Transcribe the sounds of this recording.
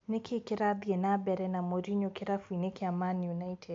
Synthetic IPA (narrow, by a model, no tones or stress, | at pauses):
nɛkʰikiɾabiɛnabɛɾɛnamɔɾiɲɔkiɾafuinɛkiamanijunaitʰɛd